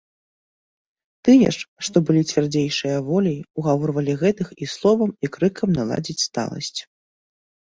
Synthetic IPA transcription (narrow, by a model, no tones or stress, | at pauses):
t̪ɨjɛ̰ʂʂt̪ɔbɨlʲit͡sʲvʲard͡zʲejʂɨjɐvɔlʲijuɣavɔɾrvɐlʲiɣɛt̪ɨxislˠɔvɐmikɾɨkʰɐmnalˠa̰d͡zʲit͡sʲst̪a̰lˠɐ̰sʲt͡sʲ